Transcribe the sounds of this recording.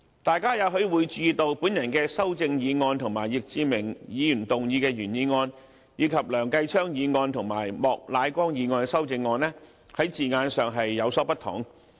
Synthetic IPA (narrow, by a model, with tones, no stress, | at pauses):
t̪aː˨jkaː˥jɐ˨˧wɦɵ˨˥ɥwuː˨˧jt͡ʃy˨˧i˨˧t̪o˧wpuː˨˥njɐ˨˩nkɛː˧sɐ˥wt͡sɪ˧ŋjiː˨˧ŋɔː˧nt̪ʰʊ˨˩ŋmaː˨˩jɪ˨k̚t͡siː˨˧mɪ˨˩ŋjiː˨˧jyː˨˩nt̪ʊ˨ŋjiː˨˧kɛː˧ɥyː˨˩njiː˨˧ŋɔː˧n | jiː˨˧˥kʰɐ˨p̚lœː˨˩ŋkɐ˧jt͡ʃʰœː˥ŋjiː˨˧ŋɔː˧nt̪ʰʊ˨˩ŋma̰ː˨˩jmɔː˨k̚laː˨˧jkʷɔː˥ŋjiː˨˧ŋɔː˧nsɐ˥wt͡sɪ˧ŋːɔː˧nlɛː˥ | hɐ˨˥jt͡siː˨ŋaː˧nsœː˨ŋɦɐ˨jːɐ˨˧wsɔː˨˥pɐ˥t̪ʰʊ̰˨˩ŋ